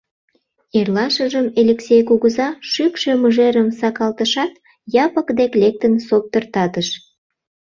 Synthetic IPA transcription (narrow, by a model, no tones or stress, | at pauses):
erlɑʃəʒəmelʲeksʲejkuɣəzɑʃykʃe̽muʒeɾəmsɑkɑlt̪əʃɑt̪ | jɑpəkd̪eklek̚t̪ənsop̚t̪ərt̪ɑt̪əʃ